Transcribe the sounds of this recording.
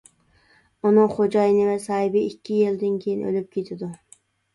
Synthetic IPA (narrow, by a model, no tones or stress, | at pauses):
unɨŋχod͡ʒɑjnɪvɛsɑːɨbɪikʲʰːijilˠd̪ɪnkʲʰejinʔø̰lyp̚kʲʰet̪ʰɪd̪u